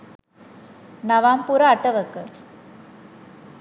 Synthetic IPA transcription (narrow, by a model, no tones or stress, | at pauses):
nɐʋaːmpuɾaːʈːɐʋɐkːɯ